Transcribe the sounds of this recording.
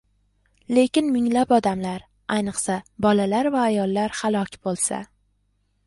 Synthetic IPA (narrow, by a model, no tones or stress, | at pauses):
le̞kʲɪnmɪŋlapɒd̪amlaɾ | ajnɨqsabɒlalaɾvaːjɒlˠːaɾhalˠɒkʲʰbolˠsa̰